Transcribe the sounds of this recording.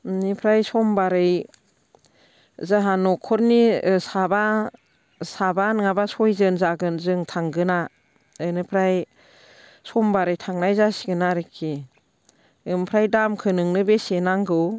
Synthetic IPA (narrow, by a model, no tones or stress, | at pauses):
nipʰɾajsɔmbaɾɯj | zaɦanɔkʰːɔɾnisaba | sabanŋabasɔjzɯnzaɡɯnzɯŋtʰaŋɡɯna | ɯnɯpʰɾaj | sɔmbaɾɯjtʰaŋnajzasiɡɯnaɾekʰːe | ɯmpʰɾajdamkʰɯnɯŋnɯbesenaŋɡɯw